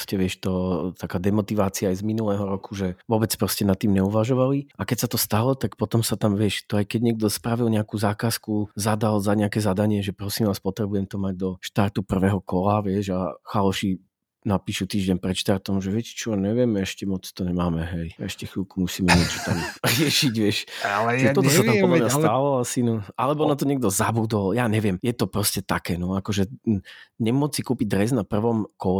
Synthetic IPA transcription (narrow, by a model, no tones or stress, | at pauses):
scɛʋɪɛʃt̪ɔt̪akaːd̪ɛmɔt̪iʋaːt͡siaːjzminulɛːɦɔɾɔkuʒɛʋɔbɛt͡spɾɔscɛnat̪ːiːmɲɛuʋaʒɔʋaliakɛcsat̪ɔst̪alɔt̪akpɔt̪ɔmsat̪amʋɪɛʃt̪ɔajkɛɟɲɛɡ̚d̪ɔspɾaʋilɲɛakuːzaːkaːskuzad̪alzaɲɛakɛːzad̪aɲɪɛʒɛpɾɔsiːmʋaːspɔt̪ɾɛbujɛmt̪ɔmaɟ̚d̪ɔʃt̪aɾt̪upr̩ʋɛːɦɔkɔlaʋɪɛʒaxalɔʃi | napiːʃut̪iːʒɟɛɲpɾɛt̪ʃt̪aɾt̪ɔmʒɛʋɪɛcɛ̥t͡ʃɔɲɛʋɪɛmɛʃcɛmɔt͡st̪ɔɲɛmaːmɛɦɛjɛʃcɛxilkumusiːmɛɲɪɛt͡ʃɔ̥t̪amɾɪɛʃiɟʋɪɛʃat͡ʃɛt̪ɔt̪ɔssaamɔlɔmɲast̪alɔasinɔʔalɛbɔnat̪̬ɔɲɛɡ̚d̪ɔzabud̪ɔljaːɲɛʋɪɛmjɛt̪ɔpɾɔscɛt̪akɛːnɔakɔʒɛ | ɲɛmʊɔt͡sːikuːpiɟ̚d̪ɾɛznapr̩ʋɔmkɔl